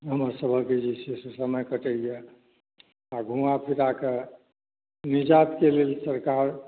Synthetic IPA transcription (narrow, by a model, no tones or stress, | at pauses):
ɦəməɾsəbʱəked͡ʒisesusəməjkəʈəjɛ | aɡʱũãpʰiɾake | nid͡ʒat̪kelelsəɾkaɾ